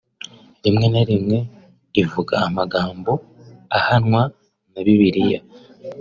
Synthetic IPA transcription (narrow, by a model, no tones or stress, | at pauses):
ɾimŋe̞naɾimŋe̞ | ivuɡa̰ːmaɡaːmbo̞ahanŋwa | naβiβiɾija̰